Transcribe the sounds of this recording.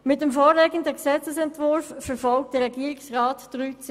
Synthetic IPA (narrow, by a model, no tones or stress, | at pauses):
mɪt̚ɛmfɔːlɛːɡəndəksɛt͡səsɛntvʊɾfːɛɾfɔlk̚tdəɾɛɡiəɾɪksʁaːtd̥ʁyːt͡s